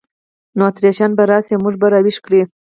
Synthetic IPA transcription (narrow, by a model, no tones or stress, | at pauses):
noat̪ɾijɑʃɑnbaɾɑsemuʐbaɾɑwiʂkɽi